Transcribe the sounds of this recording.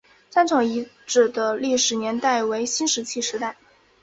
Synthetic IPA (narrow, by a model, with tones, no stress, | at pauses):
sa˥nʈ͡ʂʰɑ˨˥˩ŋi˧˥ | ʈ͡ʂɻ̩˨˩d̪ə˦li˥˩ʂɻ̩˨˩njɛ˧˥nt̪a˥˩ɪwe˧˥ɪɕi˥nʂɻ̩˧˥t͡ɕʰi˥˩ʂɻ̩˧˥t̪a˥˩ɪ